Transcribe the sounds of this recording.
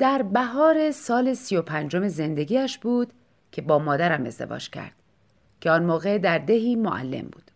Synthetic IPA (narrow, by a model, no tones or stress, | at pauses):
d̪̥æɾbæɦɒːɾe̞sɒːle̞sijo̞pʰænd͡ʒo̞me̞ze̞nd̪e̞ɡʲiːæʃbuːd̪̥ | cʰe̞bɒːmɒːd̪æɾæme̞̰zd̪e̞̰vɒ̰ːd͡ʒcʰæ̰ɾd̪̥ | cʰeɒnmɒːɣe̞d̪æɾd̪e̞ɦiːmoʔæ̰lːe̞̰mbṵːd̪̥